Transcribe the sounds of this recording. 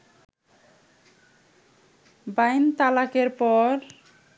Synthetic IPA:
bajnt̪alakeɾpɔɾ

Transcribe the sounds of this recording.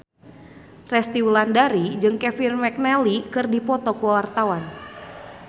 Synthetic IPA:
rɛst̪iwulandaɾid͡ʒɨŋkɛfirmɛk̚nɛlikɨrdipɔt̪ɔkwawart̪awan

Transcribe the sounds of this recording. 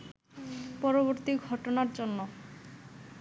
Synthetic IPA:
pɔɾoboɾt̪iɡʱɔʈonaɾd͡ʑonːo

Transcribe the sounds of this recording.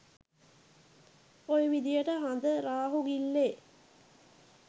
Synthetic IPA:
ojəʋid̪ijəʈəɦand̪əɾaːɦuɡilːe

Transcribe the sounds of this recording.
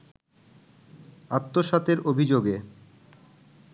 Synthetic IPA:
at̪ːoʃat̪eɾobʱid͡ʑoɡe

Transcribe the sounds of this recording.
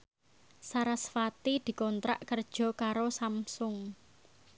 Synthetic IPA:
saɾasfat̪id̪̥i̤kɔnt̪ɾa̰ʔkərd̥ʒ̥ɔ̤kaɾosamsʊŋ

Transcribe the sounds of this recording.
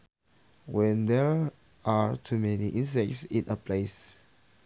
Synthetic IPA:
wɛ̃nd̪ɛɹ | aɹtʰumɛniʔĩns̬ɛk̚tsĩnʔəpʰles

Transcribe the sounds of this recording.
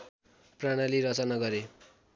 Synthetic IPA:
praɽ̃aliɾʌt͡sʌnaɡʌɾe

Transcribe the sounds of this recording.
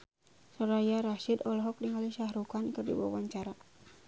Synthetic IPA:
sɔɾajaɾaʃidɔlɔɦɔk̚diŋaliʃahɾukankɨrdḭwa̰waɲt͡ʃaɾa

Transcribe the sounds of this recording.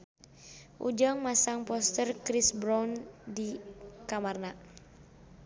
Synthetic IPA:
ʔṵd͡ʒaŋmasaŋpɔst̪ərkɾisbɾɔndikamarna

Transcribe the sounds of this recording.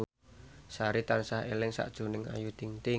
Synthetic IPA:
saɾit̪ansahelɪŋsa̰ʔd̥ʒ̥ṳnɪŋa̰jud̪̥iŋt̪e

